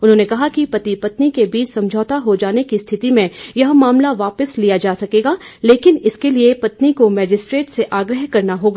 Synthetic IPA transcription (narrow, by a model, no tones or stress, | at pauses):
ʊnɦõːnekɐɦakipɐt̪ipɐt̪nikebiːt͡ʃsɐ̃md͡ʒʱɔːt̪aɦod͡ʒaːnekist̪ʰɪt̪imẽjɐɦmaːmlaʋaːpəslijad͡ʒaːsɐkeːɡaːleːkɪnɪskeliepɐt̪nikomɛːd͡ʒɪsʈɾeːʈseʔaːɡɾəɦkɐɾnaɦoːɡaː